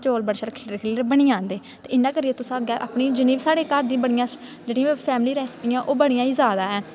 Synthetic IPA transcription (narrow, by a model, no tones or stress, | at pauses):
t͡ʃoːlbəɽʃəɾkʰɪləɾkʰɪləɾbəɳiːãːnd̪eːt̪eːɪnːãːkəɾiːeːt̪ʊsãːɡɛːʔaːpɳiːd͡ʒəniːbsaːɽeːkəɾd̪ĩːbəɽijãː | d͡ʒeːɽĩãːpʰɛːmliːɾɛːspiːãːʔoːbəɽijãːiːzaːd̪aːɛː